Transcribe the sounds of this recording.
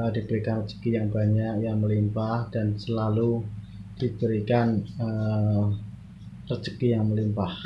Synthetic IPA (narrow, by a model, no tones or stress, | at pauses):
ədib̥əɾikanrət͡ʃə̥kijaŋbaɲakjaŋməlimpahd̥ansəlalu | d̥ib̥əɾikanə | rət͡ʃəkijaŋməlimpah